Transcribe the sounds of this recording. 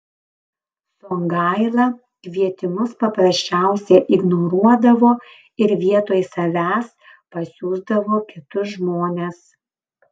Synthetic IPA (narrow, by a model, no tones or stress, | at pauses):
soːŋɡɑɪlˠɐ | kʲʋʲiɛt̪ʲɪmʊspɐpɾɐsʲt͡ʃʲæˑʊsʲɛʔɪɡnɔːɾuɔd̪ɐʋoː | ɪɾʋʲiɛt̪oːjsɐʋʲæːs | pɐsʲuːzd̪ɐʋoːkʲɪt̪ʊsʒmoːnʲeːs